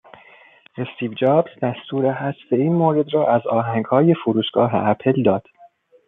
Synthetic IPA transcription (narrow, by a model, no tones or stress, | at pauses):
ʔe̞st̪ʰiːvd͡ʒɒːbzd̪æst̪ʰuːɾeɦæsbe̞iːnmoːɾe̞d̪rɒːʔæzɒːɦæŋɡhɒːje̞foɾuːʃɡɒːɦḛʔæpʰeld̪ɒːd̪̥